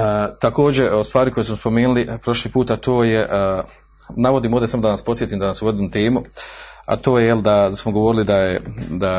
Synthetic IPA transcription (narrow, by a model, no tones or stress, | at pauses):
t̪ako̞ːd͡ʑe̞ʔost̪ʋaːɾiko̞jesmaspo̞meːnulipɾo̞ʃliːpuːt̪at̪ʰo̞ːjeʔ | naʋo̞d̪iːmoːd̪esamod̪anaːspo̞t̪sjet̪iːmd̪anaːsuɡod̪iːmt̪e̞ːmua̰t̪o̞ːjejeld̪asmoɡo̞ʋo̞ɾilid̪ajed̪a